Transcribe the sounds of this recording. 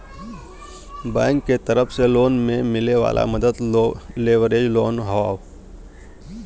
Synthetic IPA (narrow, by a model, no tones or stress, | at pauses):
bɛ̃ːŋkːet̪əɾəpʰseloːnmẽmɪleʋa̰ːlʔa̰məd̪əd̪leːʋəɾeːd͡ʒloːnɦaːʋ